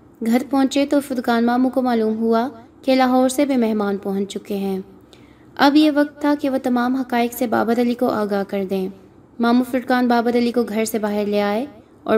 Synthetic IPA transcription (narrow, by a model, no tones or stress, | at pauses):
ɡʱɐɾpɔ̃ɦt͡ʃet̪ofʊɾkaːnmaːmũkomaːluːmɦua | kelaɦɔːɾsebʱimɛɦmaːnpɐɦʊ̃ɲt͡ʃt͡ʃʊkeɦɛ̃ː | ɐbjeʋɐk̚t̪ʰːakeʋot̪ɐmaːmɦɐkaːɪkseba̰ːbəɾəlikoʔaːɡaːɦkɐɾd̪ẽː | maːmũfʊɾkaːnbaːbəɾəlikoɡʱɐɾsebaːɦɪɾleːaːe | ɔ̰ː